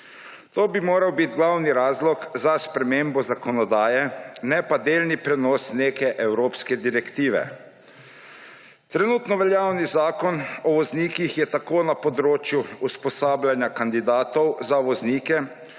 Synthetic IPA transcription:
t̪oːbimoːɾɐwbit̪ɡlawniɾaːzlɔkzaspɾɛmeːmbɔzakɔnɔd̪aːjɛnɛpad̪eːlnipɾɛnɔsneːkɛʔɛwɾoːpskɛd̪iɾɛkt̪iːʋɛ̰ | t̪ɾɛnuːt̪nɔʋɛljaːwnizaːkɔnɔʋɔzniːkixjɛt̪akoːnapɔd̪ɾoːt͡ʃjuuspɔsaːblanjakand̪id̪aːt̪ɔwzaʋɔzniːkɛ

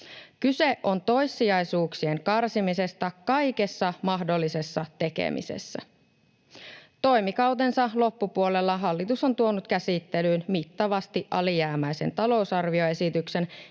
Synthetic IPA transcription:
kyse̞ʔo̞nt̪o̞jsːiɑjsuːksie̞ŋkɑrsimise̞st̪ækɑjke̞sːɑmɑɦdo̞lːise̞sːɑt̪e̞kḛmʔḭsḛsːæ̰ | t̪o̞jmikɑwt̪e̞nsɑlo̞pːupuo̞le̞lːɑɦɑlːit̪uso̞nt̪uo̞nut̪kæsit̪ːe̞lyːnmit̪ːɑʋɑst̪iʔʔɑlijæːmæjse̞nt̪ɑlo̞usɑrʋio̞e̞sit̪ykse̞n

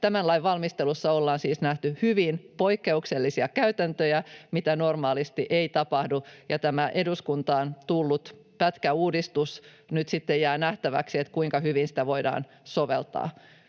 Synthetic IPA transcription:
t̪æmænlɑiʋʋɑlmist̪elusːɑolːɑːnsiːsnæht̪yhyʋinpoikːe̞ukselːisiɑkæyt̪ænt̪øjæmit̪ænormɑːlist̪iʔeit̪ɑpɑhdujɑt̪æmæʔeduskunt̪ɑːnt̪ulːut̪ | pæt̪kæuːdist̪us | nyt̪sit̪ːejæːnæht̪æʋæ̰ksiet̪kuiŋkɑhyʋinsĭ̥t̪æʋoidɑ̰ːn | soʋḛlt̪ɑ̰ː

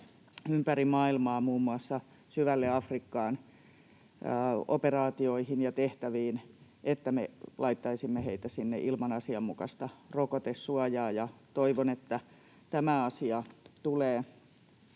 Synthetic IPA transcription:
ympærimɑːilmɑːmuːmːuɑsːɑ | syʋælːeɑfrikːɑːn | o̰perɑːt̪ioihinjɑt̪eht̪æʋiːn | ʔet̪ːæmelɑit̪ːɑisimːeheit̪æsinːḛʔilmɑnɑsiɑmːukɑ̰st̪ɑrokot̪esːuɑjɑːjɑt̪oiʋonet̪ːæ | t̪æmæɑsiɑt̪uleː

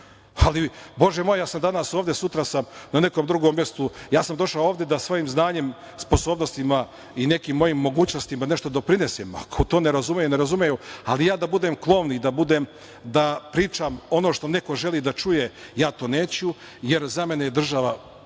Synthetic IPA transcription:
alibo̞ʒemo̞jejaːsamd̪anasoːʋd̪jesut̪ɾasamnane̞komd̪ɾuɡomːjest̪ujaːsamd̪o̞ʃaooːʋd̪je̞d̪asʋoːjiːmznaːɲe̞m | spo̞so̞ːbno̞st̪ima | ine̞kiːmːo̞jiːmːo̞ɡuːt͡ɕno̞st̪imane̞ʃt̪o̞d̪o̞pɾine̞sema̰kʰot̪o̞ːneɾazumejuneɾazumejualijaːd̪abud̪emklˠo̞ʋnid̪abud̪em | d̪apɾiːt͡ʃamo̞no̞ːʃt̪o̞ne̞ko̞ʒe̞lˠid̪at͡ʃuje̞jaːt̪o̞ːne̞ːt͡ɕu | je̞ɾzame̞nejed̪r̩ʒaʋa

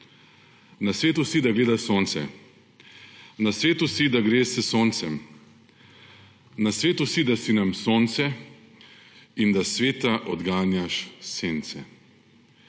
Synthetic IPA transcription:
nasʋeːt̪usid̪aɡleːd̪asoːnt̪sɛ̰ | nasʋeːt̪usid̪aɡɾeːsəsoːnt̪sɛm | nasʋeːt̪usid̪asinamsoːnt̪sɛ | ind̪asʋeːt̪aʔɔd̪ɡaːnjaʃseːnt̪sɛ̰

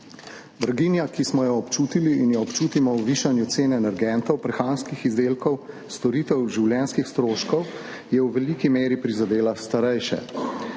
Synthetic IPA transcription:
b̪ɾaɡinjakismɔjaɔpt͡ʃuːt̪iliːnjɛɔpt͡ʃuːt̪imɔwʋiːʃanjut̪seːnɛɛːnɛɾɡɛnt̪ɔwpɾɛxaːnskixizd̪eːlkɔw | st̪ɔɾiːt̪ɛwʒiwlʲjɛːnskixst̪ɾoːʃkɔw | jɛwʋɛlikimeːɾipɾizad̪eːlast̪aɾɛjʃɛ̰

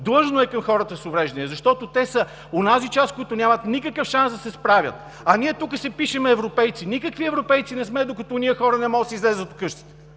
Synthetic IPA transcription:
d̪lˠɤʒnoɛkəmxɔɾət̪əsovɾɛʒd̪ɛniɛzɐʃt̪ɔt̪ot̪ɛsə | onazit͡ʃaskojit̪onʲjamət̪nikəkəfʃansd̪ɐsɛspɾavʲjə̰t̪ | ɐniɛt̪ukəsɛpiʃɛmɛːvɾopɛjt̪sinikəkviɛvɾopɛjt̪sinɛsmɛd̪okɐt̪ɔniəxɔɾənɛmɔɡət̪sizlɛzət̪ʊ̥kɤʃt̪i̥t̪ɛ̥

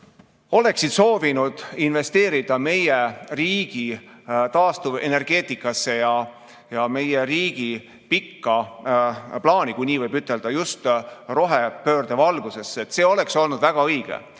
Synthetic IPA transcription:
o̞le̞ksid̪̥so̞ːvinud̪̥inve̞st̪e̞ːɾid̪̥ɑme̞jeriːɡ̥it̪ɑːst̪uve̞̰ne̞rɡ̥e̞ːt̪ˑikːˑɑsːe̞jɑ | jɑme̞jeɾiːɡ̥i | pikːɑ | plɑːnʲikujnʲiːvɤjbyt̪ːˑe̞ld̪̥ɑjust̪ro̞ɦepø̞ːrd̪evɑlɡ̥use̞sːet̪ːˑse̞ːo̞le̞kso̞lnud̪̥væɡ̥ɑɤjɡ̥ḛ

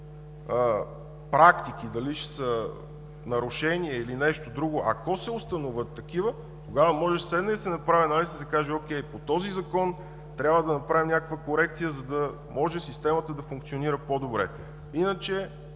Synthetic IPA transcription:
ə | pɾakt̪ik̟id̪ɐliʃɛ̥sə | nɐɾʊʃɛniɛilinɛʃt̪od̪ɾuɡoʔɐ̰kɔsɛʊst̪ɐnovət̪ːɐk̟ivə | t̪oɡavəmɔʒɛʃslɛd̪nəd̪sɛnɐpɾavɛnalisɛsɐkaʒɛok̟ɛjpot̪ɔzizɐkɔn | t̪ɾʲjabvəd̪ɐnɐpɾavimnʲakəkvəkoɾɛk̚t̪sijəzɐd̪ɐ | mɔʒɛsist̪ɛmət̪əd̪ɐfuŋk̚t̪sioniɾəpod̪obɾɛ̰ | inət͡ʃɛ

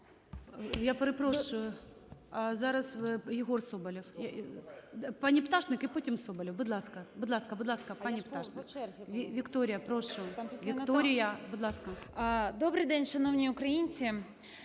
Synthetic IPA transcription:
japɾɨpɾoʃʊjʊ | azaɾɐsjɪɣorsobɐlʲɪfja | panʲɪpt̪aʂnɨkɪputʲɪmsobɐlʲɪfbʊd̪lˠaskɐbʊd̪lˠaskɐbʊd̪lˠaskɐpanʲɪpt̪aʂnɪkʲɪvʲɪkt̪oɾʲɪjɐpɾoʂʊjʊvʲɪkt̪oɾʲɪjɐbʊd̪lˠaskɐd̪obɾɨjd̪ɛnʲʃɐnownʲiʊkɾɐjinʲt͡sʲɪ

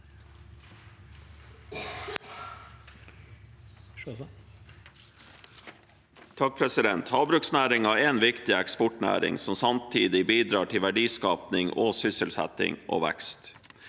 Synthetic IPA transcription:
t̪ʰɑk̚pʰɾɛsɪd̪ɛnt̪hɑːbɾʉksnæːɾɪŋɑːɾeːnʋɪkt̪ɪɛkspɔʈnæ̰ːɾɪ̰ŋsɔmsɑmt̪ʰiːd̪ɪbiːd̪ɾɑːʈʰɪʋæɖiːskɑːpnɪŋʔoːsʏsəlsæ̰t̪ɪ̰ŋʔo̰ːʋæ̰kst̪

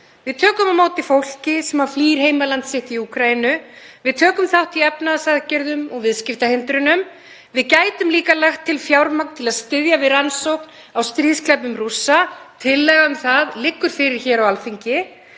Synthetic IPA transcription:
vɪðt̪ʰœːkʏmamaːwt̪ɪfowl̥cɪsɛmhaɾ̥fliːɾ̥heːjmalant̪sɪht̪iukʰɾajinʏvɪðt̪ʰœːkʏmθawht̪iɛpnaðsaðcɛɾðʏmɔɣvɪðscɪft̪ahɪnt̪ɾʏnʏm | vɪðcaːjt̪ʏmliːkalaxt̪ʰːɪlfjawɾmak̚nt̪ʰɪlaðst̪ɪðjavɪðɾansowkn̥ | awst̪ɾiðsklɛpʏmrusːat̪ʰɪlːɛɣaʏmθaðlɪkːʏɾ̥fɪɾɪɾ̥çɛɾawalfiɲcɪ

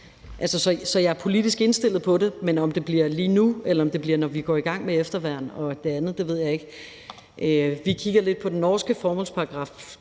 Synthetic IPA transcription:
ʔælsəsɒ̽sɒ̽jɑ̈æɐpʰo̝lid̥isɡ̥e̝nsd̥e̝l̰ð̩ˠpʰɒ̽de̝menɒ̽md̥e̝b̥liɐ̰liːnuelɐɒ̽md̥e̝b̥liɐnɒʋiɡ̥ɒ̰ːiɡ̥ɑ̈ŋ̰meefd̥ɐʋæɐ̰n̩ɒ̽d̥e̝ænð̞̩ˠd̥e̝ʋe̝ð̞̰ˠjɑ̈e̝ɡ̥ | ʔøʋikʰiɡ̥ɐle̝d̥̚pʰɒ̽d̥enːɒːsɡ̥əfɒːmɒ̽l̰spʰɑ̈ʁɑ̈ɡ̥ʁɑ̈f

